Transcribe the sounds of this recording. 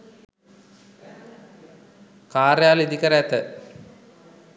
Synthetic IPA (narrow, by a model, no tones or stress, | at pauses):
kaːɾjaːlid̪ikɐɾeɐt̪ə